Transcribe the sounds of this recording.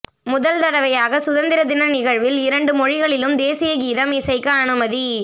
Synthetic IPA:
mʊðɐlt̪ɐɽɐʋɐjaːɣɐsʊðɐnd̪ɪɾɐd̪ɪnɐnɪɣɐɻʋɪlɪɾɐɳɖɯmɔɻɪɣɐɭɪlɯmd̪eːsɪjɐɡiːðɐmɪsɐɪkːɐːnɯmɐði

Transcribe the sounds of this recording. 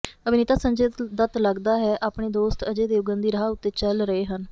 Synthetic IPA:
əbɪnɪt̪aːsəɲd͡ʒeːt̪d̪ət̪ləɡd̪aːɦɛːʔaːpɳeːd̪oːst̪əd͡ʒeːd̪eːʊɡənd̪iːɾəɦaːʊt̪ːeːt͡ʃəlɾəeːɦən

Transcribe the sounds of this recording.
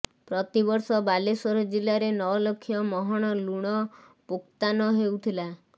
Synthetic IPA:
pɾɔt̪ibɔɾsɔbalesɔɾd͡ʒilaɾenɔɔlɔkʰjɔmɔɦɔɽ̃ɔluɽ̃ɔ | pukt̪anɔɦeut̪ʰila

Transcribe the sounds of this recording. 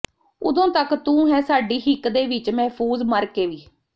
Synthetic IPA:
ʊd̪õːt̪əkt̪ũːɦɛːsaːɖiːɦɪkd̪eːʋɪt͡ʃmɛːpʰuːzməɾkeːʋiː

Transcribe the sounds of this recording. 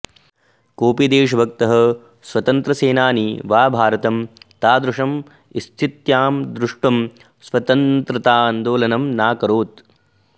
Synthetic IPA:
koːpid̪eːʂ̬ɐbʱɐk̚t̪ɐɦɐ̆ | sʋɐt̪ɐnt̪ɾɐseːnaːniʋaːbʱaːɾɐt̪ɐmt̪aːd̪ɾuʂɐm | ist̪ʰit̪jaːmd̪ɾuʂʈɐm | sʋɐt̪ɐnt̪ɾɐt̪aːɐnd̪oːlɐnɐmnaːkɐɾoːt̪

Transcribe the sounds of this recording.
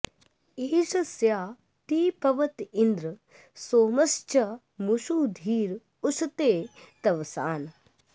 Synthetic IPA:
iːd͡ʒɐsjaː | t̪iːpɐʋɐt̪ind̪ɾɨ | soːmɐst͡ʃɐ | muʃuːd̪ʱiːɾ | ust̪eːt̪ɐʋsaːn

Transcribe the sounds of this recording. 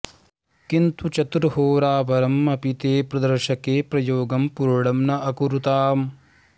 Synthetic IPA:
kint̪ut͡ʃɐt̪ɾuhoːɾaːʋɐɾɐmːɐpit̪eːpɾɐd̪ɐɾʃɐkeːpɾɐjoːɡɐmpuɾɽɐmnɐʔɐkuɾut̪aːm

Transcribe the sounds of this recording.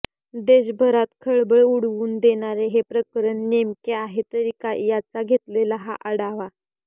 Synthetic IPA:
d̪eɕbʱəɾat̪kʰəɭbəɭuɽʋuːnd̪eɽ̃aɾeɦepɾəkɾəɳːemkeaɦet̪əɾikajat͡saɡʱet̪lelaɦa̰ʔəɽaʋa

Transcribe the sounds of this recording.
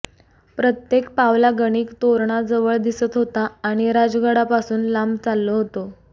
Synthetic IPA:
pɾət̪jekpaʋlaɡəɽ̃iːkt̪oɾɳ̃ad͡zəʋəɭd̪isət̪ɦot̪aːɽ̃iɾad͡zɡəɽapasuːnlambt͡salːoɦot̪o

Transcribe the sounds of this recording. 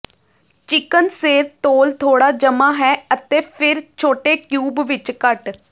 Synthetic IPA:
t͡ʃɪkənseːɾt̪oːlt̪ʰoːɽaːd͡ʒəmaːɦɛːət̪eːpʰɪɾt͡ʃʰoːʈeːkjuːbʋɪt͡ʃkəʈ

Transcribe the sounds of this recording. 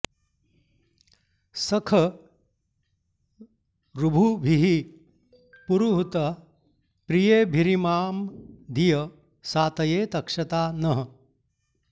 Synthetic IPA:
sɐkʰɐ | ɾubʱubʱiɦi | puɾuɦut̪ɐ | pɾijeːbʱiɾimaːmd̪ʱijɐ | saːt̪ɐjeːt̪ɐkʂɐt̪aːnɐɦɐ̆

